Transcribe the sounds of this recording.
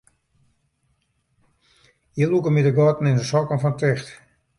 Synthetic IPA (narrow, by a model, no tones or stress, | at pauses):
jəlukəmidəɡɔtn̩ɪndəsɔkənfɔntɪxt